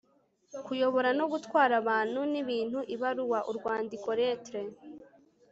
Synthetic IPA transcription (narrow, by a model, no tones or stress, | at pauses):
kujo̞βo̞ɾano̞ɡutwaːɾaβaːn̥huniβiːn̥huʔiβaɾuwaʔuɾɡwaːndiko̞ɾetɾe